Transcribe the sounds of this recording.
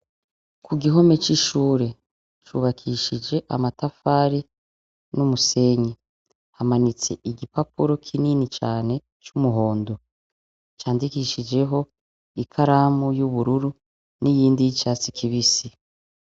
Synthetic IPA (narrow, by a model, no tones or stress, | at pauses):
kuɡiɦo̞me̞t͡ʃiʃuːɾe̞ | t͡ʃuːβakʰiʃid͡ʒe̞ʔa̰matafaːɾi | numuse̞ɲe | hamanit͡se̞̰ʔiɡipapuɾo̞kʰininit͡ʃaːne̞ | t͡ʃumuɦo̞ːndo | t͡ʃaːndikiʃid͡ʒe̞ɦo̞ | ikʰaɾaːmujuβuɾuɾu | nijiːndijit͡ʃaːt͡si̥kʰiβisi